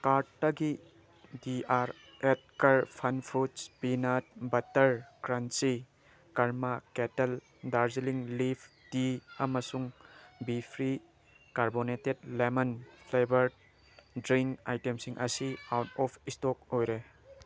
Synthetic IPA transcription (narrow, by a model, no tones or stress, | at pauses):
kaɾtːɐɡi | diaɾ | et̚kɐɾpʰɐnpʰutspinat̚bɐtɐɾkɾansi | kaɾmaketel | daɾziliŋlipʰ | d̥iɐmɐsuŋbipʰɾi | kaɾboneted̚lemɐnpʰlebɐɾ | dɾiŋka̰jtemsiŋʔɐsiawtɔpʰistok̚ojɾe